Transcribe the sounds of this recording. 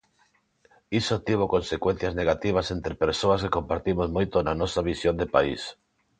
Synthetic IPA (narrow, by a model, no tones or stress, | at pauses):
isot̪iβ̞okonsekwen̟θjazneɣat̪iβ̞asent̪ɾepeɾsoaskekompaɾt̪imozmojt̪onanɔsaβisjond̪epaḭs